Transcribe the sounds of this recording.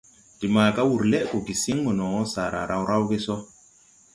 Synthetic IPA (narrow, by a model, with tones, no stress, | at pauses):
d̥i˨maː˨ka˦wu˨ɾle˦ʔko˨ɡi˨si˦ŋɡo˨nɔ˨wɔ˦sa˨ɾa̰˨ɾʔa˦˨wɾa˦wɡe˦sɔ˦